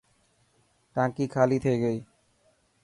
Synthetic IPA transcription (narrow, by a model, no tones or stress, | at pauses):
kãkikʰalit̪ʰeeɡej